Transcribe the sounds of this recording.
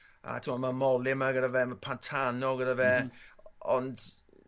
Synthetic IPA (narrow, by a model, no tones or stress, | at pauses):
a̰tʰəmɔmamɔlɪmaɡədavɛmapʰantʰanɔɡədavɛ | ɔnd